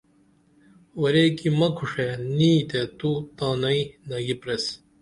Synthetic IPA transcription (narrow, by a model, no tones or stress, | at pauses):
wɐɾeːkimɐkʰuʂeniːt̪et̪ut̪aːnɐinɐɡipɾes